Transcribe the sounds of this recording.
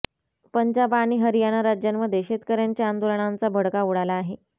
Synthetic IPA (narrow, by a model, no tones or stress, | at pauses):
pəɲd͡ʑabaːɽ̃iːɦəɾijanaɾad͡ʑjamːəd̪ʱjeɕet̪kəɾjaɲt͡ɕjaːnd̪oləɳant͡sabʱəɽkauɽalaːɦe